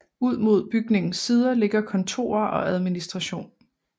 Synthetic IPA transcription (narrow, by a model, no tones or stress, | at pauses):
uð̞̰ˠmo̝ð̞̰ˠb̥yɡ̥ne̝ŋn̩siːð̞ˠɐle̝ɡ̥ɐkʰɒ̽nt͡sʰo̝̰ːɐɒ̽ʔæð̞ˠminisd̥ʁɑɕo̝̰ːn